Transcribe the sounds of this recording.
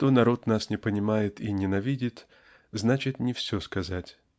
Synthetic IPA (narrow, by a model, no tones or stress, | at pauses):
t̪onɐɾo̞t̪nasnʲɪpənʲɪmajɪt̪inʲɪnɐvʲidʲɪt̪ | znat͡ɕɪt̪nʲɪfsʲɵskɐzatʲ